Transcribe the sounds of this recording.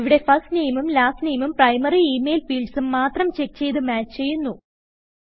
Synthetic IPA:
iʋiɽe̞fɐsniːjmumlaːsnijmumprɐjmɐriiːme̞ːlfiːɭsumːaːt̪rɐmt͡ɕe̞k̚t͡ɕe̞jðɨmaːt͡ɕːt͡ɕe̞jːunːu

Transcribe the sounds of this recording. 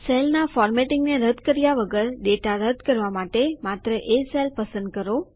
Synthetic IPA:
selnafɔɾmeʈɪŋɡneɾəd̪ʱkəɾjaʋəɡəɾɖeʈaɾəd̪ʱkəɾʋamaʈemat̪ɾəʔeselpəsə̃nd̪̚kəɾo

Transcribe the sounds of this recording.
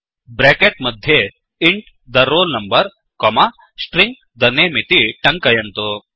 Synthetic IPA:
bɾekeʈ̚mɐd̪ʱːje | iɳʈ | d̪ɐɾːoːlnɐmbəɾ | kɔma | sʈɾiŋɡ̚ | d̪ɐnemit̪iʈɐ̃ŋkɐjɐnt̪o

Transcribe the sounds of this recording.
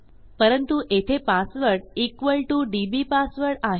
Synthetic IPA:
pəɾənt̪uʔet̪ʰepasʋəɾɽikʋəlʈuɖibipasʋəɾɽaɦ

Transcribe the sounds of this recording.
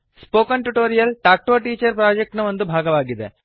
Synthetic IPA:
spoːkɐnʈuʈoːɾijɐlʈaːk̚ʈoːʈiːt͡ʃɐɾpɾaːd͡ʒek̚ʈnɐʋo̞nd̪ubʱaːɡɐʋaːɡid̪ḛ

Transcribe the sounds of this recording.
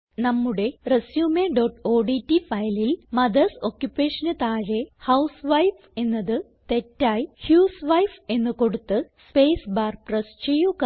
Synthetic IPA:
nɐmːuɽe̞resjuːmeɖoʈo̞ːɖitːifɐjɐlilmɐd̪ɐsoːkjupːe̞ːʂɐnɨt̪aːɻe̞hɐwsʋɐjf | e̞nːɐðɨ | t̪e̞tːaːjhjuːsʋɐjfe̞nːɨko̞ɽut̪ːɨspe̞ːsbaːrprɐst͡ɕe̞jːuk

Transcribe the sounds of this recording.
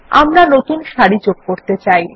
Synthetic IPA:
amɾanot̪unʃaɾid͡ʑoɡ̚koɾt̪et͡ɕaj

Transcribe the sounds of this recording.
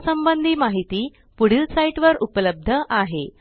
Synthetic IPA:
səmbənd̪ʱiːmaɦit̪iː | puɽ̤ilsaiʈʋəɾupələb̚d̪ʱəʔaɦe

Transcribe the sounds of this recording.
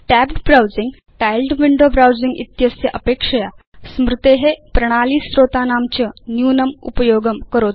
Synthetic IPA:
ʈæbɖbɾawd͡ziŋɡ | ʈajlɖʋiɳɖobɾawd͡ziŋɡḭt̪jəsjəʔəpekʂəjasmɾut̪eɦepɾəɽ̃aliːsɾot̪anamt͡ɕənjunəmṵpəjoɡəmkəɾot̪

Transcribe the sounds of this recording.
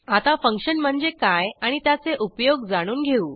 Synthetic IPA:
at̪afəŋkʂənm̤əɳd͡zekajaɽ̃it̪jat͡seʔupjoɡd͡zaɽ̃uːnɡʱeuː

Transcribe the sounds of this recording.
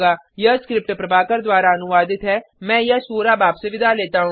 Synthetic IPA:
ɡaː | jəskɾɪp̚ʈpɾəbaːkəɾd̪waːɾaənʊʋaːd̪ɪt̪ɦɛːmɛ̃ːjəsoːɾaːbaːpseʋɪd̪aːleːt̪aɦũ

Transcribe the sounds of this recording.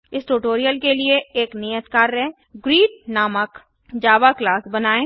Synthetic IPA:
ɪsʈoːʈoːɾijəlkelieeːknijət̪kaːɾːɛẽ | ɡɾiːʈ̚naːmək | d͡ʒaːʋaklaːsbɐnaːẽː

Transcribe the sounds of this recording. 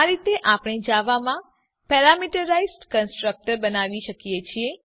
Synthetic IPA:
aɾit̪eʔapɽ̃id͡ʒaʋamã | pɛɾamiʈəɾaizʈkənsʈɾək̚ʈəɾbənaʋiʃəkjet͡ʃʰie

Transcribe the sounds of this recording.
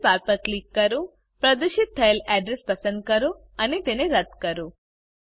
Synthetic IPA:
paɾpəɾklikːəɾõ | pɾəd̪uʃɪt̪̚ʰːəelɛɖɾespəsənd̪̚kəɾo | ənet̪eneɾət̪kəɾũ

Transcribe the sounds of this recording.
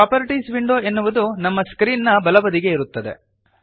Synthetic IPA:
aːpɐɾiʈisʋiɳɖoːe̞nːuʋud̪unɐmːɐskɾiːnːɐbɐlɐbɐd̪iɡe̞iɾut̪ːɐd̪e̞̰

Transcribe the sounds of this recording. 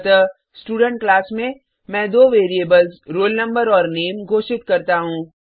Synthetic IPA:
t̪ə | sʈuːɖə̃ɳʈ̚klaːsmẽ | mɛ̃ːd̪oːʋeːɾieːbəlzɾoːlnɐ̃mbəɾɔːɾneːmɡʱoːʃɪt̪kɐɾt̪aɦũː

